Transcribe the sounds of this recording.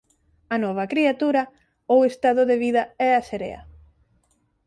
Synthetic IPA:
ɐnɔβ̞ɐkɾiat̪uɾɐ | owest̪aðʊðeβiðɐɛaseɾḛɐ̰

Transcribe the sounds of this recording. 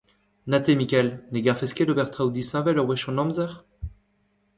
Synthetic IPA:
nat̪emikʲɛlneɡaʁfɛskʲed̪obɛʁt̪χaud̪isɛ̃vɛlɔʁwɛʃɑ̃nɔ̃mzɛʁ

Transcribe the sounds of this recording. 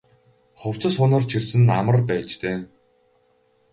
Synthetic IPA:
χʊw̥t͡sə̆sʊnə̆rt͡ɕʰirsɘ̆na̰mə̆rpæːt͡ɕt̪ʰeː

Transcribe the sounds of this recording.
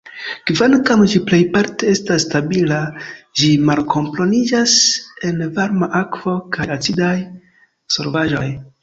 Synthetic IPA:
kvankamd͡ʒiple̞jpaɾte̞e̞stasːtabilad͡ʒimalkʰo̞mplo̞nid͡ʒase̞nvaɾmaʔakv̥o̞kajat͡sidaj | so̞ɾvaʒo̞j

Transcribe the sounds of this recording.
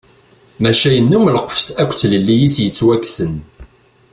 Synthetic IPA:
mæʃæjənːumləqəfsækʷːt͡sləlːijisjət͡sːwækːsən

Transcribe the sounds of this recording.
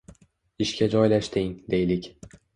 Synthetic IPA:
ɪʃkʲad͡ʒɒjlaʃt̪ɪŋd̪e̞jlɪkʲ

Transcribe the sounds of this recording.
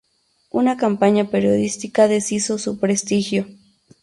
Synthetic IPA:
unakampaɲapeɾjoðist̪ikaðesisosupɾest̪ixjo

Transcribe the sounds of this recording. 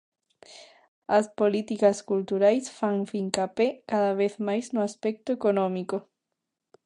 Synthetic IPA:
ɐspolit̪ikaskult̪uɾajsfaŋfiŋkapekaðaβ̞eθmajznoaspɛk̚t̪oekonɔ̃miko

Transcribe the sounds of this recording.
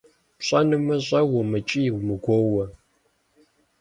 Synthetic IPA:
pɕʼɐnɨmɐʑʼɐwʊmɨt͡ʃʼijwmɨɡʷowɐ

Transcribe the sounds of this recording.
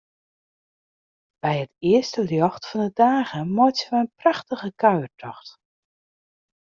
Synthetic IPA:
b̥ɛjətɪəstəljɔxtfɔndədaːɣəmɔtəʋəənpraxtəɣəkœɥərtʰɔxt

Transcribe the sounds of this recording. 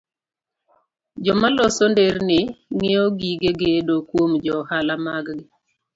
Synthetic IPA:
d͡ʒɔmalɔsondernɪŋeoɡiɡeɡedokwomd͡ʒɔhalamaɡɡɪ

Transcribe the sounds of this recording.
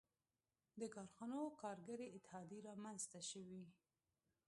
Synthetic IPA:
d̪əkɑɾxɑnokɑɾɡaɾeɪt̪ːɪhɑd̪iɾɑmanzt̪aʃəwi

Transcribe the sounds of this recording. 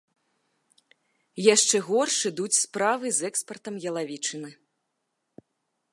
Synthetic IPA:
jaʂt͡ʂɛɣɔrʂɨd̪ut͡sʲspɾavɨzɛkspɐrt̪ɐmjɐlˠavʲit͡ʂɨnɨ

